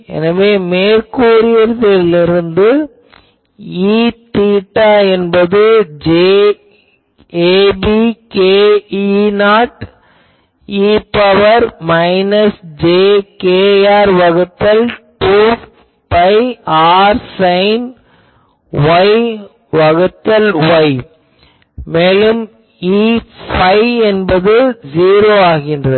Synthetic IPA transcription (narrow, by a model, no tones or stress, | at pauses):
ɛ̰nɐʋeːmeːɾkuːɾɪjɐɾðɪlɪɾɯnd̪ɯ | iːt̪iːʈːaːɛnbɐðɯd͡ʒeː | eːbikeːinaːʈ | iːpɐʋɐɾmɐɪnɐsd͡ʒeːkeːaːɾʋɐɣɯt̪ːɐlʈuː | pɐɪaːɾsɐɪn | ʋɐɪ | ʋɐɣɯt̪ːɐlʋɐɪ | meːlɯm | iːfɐɪɛnbɐðɯziːɾoːaːɣɪndrɐð